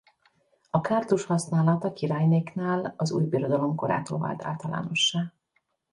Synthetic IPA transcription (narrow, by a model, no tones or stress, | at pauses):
ɒkaːrt̪uʃhɒsnaːlɒt̪ɒkiɾaːjneːknaːlɒzṵːjbiɾo̞d̪ɒlo̞mko̞ɾa̰ːt̪o̰ːlva̰ːlt̪ʰa̰ːlt̪ɒla̰ːno̞ʃːaː